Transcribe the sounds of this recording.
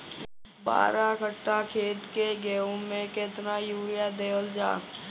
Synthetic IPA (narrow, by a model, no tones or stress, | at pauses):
ba̰ːɾakəʈːakʰeːt̪keɡeːõmẽket̪najuːɾɪjad̪eːəld͡ʒa̰ː